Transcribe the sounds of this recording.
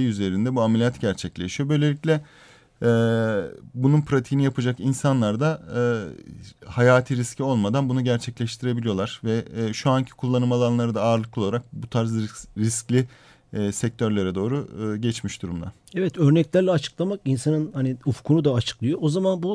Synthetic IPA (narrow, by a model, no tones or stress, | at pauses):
eyze̞ɾind̪ɛbuamelʲijat̪ɟæɾt͡ʃʰɛclʲeʃijo̞bø̞jlʲeicʲlʲɛ | ɛ | bununpɾat̪ʰiɦinijapɯd͡ʒakinsanlˠaɾd̪a | hajaːt̪ʰiɾiscʰio̞lˠmad̪anbunuɟæɾt͡ʃʰɛclʲɛʃt̪ʰiɾe̞bilʲijo̞lˠaɾ̥vɛʃuancʰi̥kʰulˠːanɯmalˠanlˠaɾɯd̪aːɾlˠɯk̚lˠoaɾak̚but̪ʰaɾzɾisclʲi | sɛc̚t̪ʰøɾlʲeɾɛd̪o̞ːɾuɟɛt͡ʃmiʃd̪uɾumd̪a̰ | ɛvɛt̪øɾnɛclʲæɾlʲɛat͡ʃʰɯ̥klˠamakinsanɯnhaniufu̥kʰunud̪aat͡ʃʰɯ̥klˠɯjoozamanbu